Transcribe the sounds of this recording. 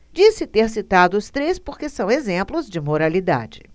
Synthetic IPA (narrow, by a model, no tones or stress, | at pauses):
d͡ʒisɪt̪eɾsit̪ad̪ʊʊst̪ɾespoɾkesɐ̃w̃ezẽmplʊzd͡ʒɪmoɾalid̪a̰d͡ʒɪ